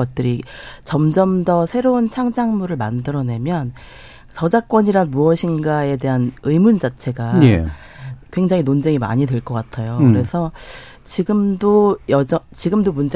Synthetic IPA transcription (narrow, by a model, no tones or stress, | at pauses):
ʌt̚t͈ɯɾit͡ɕʌmd͡ʑʌmdʌsʰe̞ɾount͡ɕʰaŋd͡ʑaŋmuɾɯɭmandɯɾʌne̞mjʌn | t͡ɕʌd͡ʑak͈wʌɲiɾanmuʌɕʰinɡae̞de̞ɦanɯjmund͡ʑat͡ɕʰe̞ɡae | kwe̞ŋd͡ʑaŋinond͡ʑeŋima̰ɲidweɭk͈ʌk͈atʰajokɯɾe̞sʰʌ | t͡ɕiɡɯmdojʌd͡ʑʌt͡ɕiɡɯmdomund͡ʑ